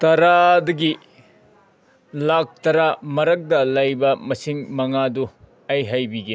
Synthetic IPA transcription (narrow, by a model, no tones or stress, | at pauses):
tɐɾadɐɡi | lak̚tɐɾamɐɾɐk̚dɐlɐjbɐmɐsiŋmɐŋadu | ɐjɦɐjbiɡe